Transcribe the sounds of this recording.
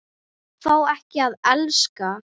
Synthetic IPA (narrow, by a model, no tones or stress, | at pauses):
faːwɛhcɪaðɛlska